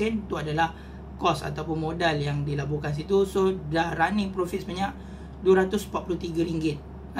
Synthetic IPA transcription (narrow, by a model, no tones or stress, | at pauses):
ɛnt̪uadalah | kɔsa̰t̪awpʊnmodaljaŋdilabukans̬it̪usodahɾanipɾofit̪̚səbaɲaʔ | duaɾat̪ʊsmpat̪̚puluht̪iɡaɾiŋɡɪt̪̚